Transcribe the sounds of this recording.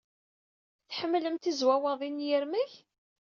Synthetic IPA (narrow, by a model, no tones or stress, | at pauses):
θħəmːləmt̪izwæwəðˤinjəɾmæç